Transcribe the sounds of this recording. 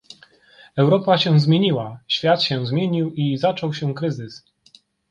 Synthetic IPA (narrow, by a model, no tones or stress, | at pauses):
ɛwɾɔpaɕɛ̃zmʲjeɲiwaɕfʲjat̪ɕɛ̃zmʲjeɲiwizat͡ʂɔwɕɛkɾɘzɘs